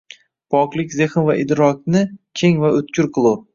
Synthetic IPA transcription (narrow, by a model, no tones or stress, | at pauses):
pʰɒklˠɪkʲzeχɨnvaʔɪd̪ɾɒk̚ʲnɪkʲʰeŋvaʊt̪kʰʲʊɾqʰɨlˠu